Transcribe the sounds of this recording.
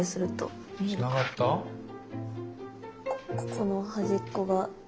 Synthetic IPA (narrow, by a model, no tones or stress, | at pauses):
isɨɾɯ̟t̪o̞̰ | nakat̪ːa | kkokʰono̞haʑikːoɡa